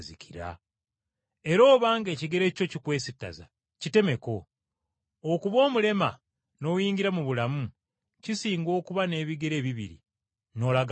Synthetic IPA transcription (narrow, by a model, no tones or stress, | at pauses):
ziciɾa̰ | e̞ɾo̞ːβaːŋɡe̞ːciɡe̞ɾe̞co̞cikwe̞ːsitːa̰za̰ | cite̞me̞ko̞ː | kuβo̞ːmule̞ma | no̞ːjiːɲɟiɾamuβulamu | cisiːŋɡo̞ːkuβane̞ːβiɡe̞ɾe̞ːβiβḭɾḭ | no̞ːlaɡ